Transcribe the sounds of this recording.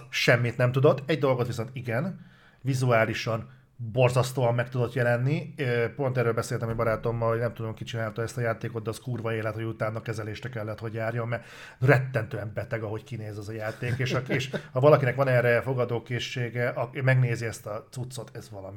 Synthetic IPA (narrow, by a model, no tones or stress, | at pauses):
ʃɛmːit̪nɛmt̪ud̪o̞t̪ːɛɟd̪o̞lɡot̪ʋiso̞nt̪iɡɛn | vizuaːliʃɒn | bo̞rzɒst̪oːɒmːɛkt̪ud̪o̞t̪jɛlɛnːipo̞nt̪ɛrːøːlbɛseːlt̪ɛmɛbɒɾaːt̪o̞mːɒlhoɟnɛmt̪ud̪o̞ŋkit͡ʃinaːlt̪oɛst̪ɒjaːt̪eːkot̪ːɛːskuːrvɒeːlːɛt̪ho̞ɟut̪aːnːɒkɛzɛleːʃɾɛkɛlːɛt̪ho̞ɟjaːrjo̞mmɛ | rɛt̪ːɛnt̪øːɛmbɛt̪ɛɡɒɦo̞ckineːzɛzɒjaːt̪eːkeːʃɒeːʃhɒvɒlɒkinɛkʋɒnɛrɛfo̞ɡɒd̪oːkeːʃːeːɡɛʔɒmɛɡneːziɛst̪ɒt̪sut̪so̞t̪ʰɛzʋɒlɒmi